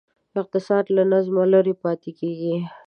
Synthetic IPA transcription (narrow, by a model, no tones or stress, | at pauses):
ɪq̚t̪ɪsɑd̪lanazmaləɾepɑt̪ekeɡi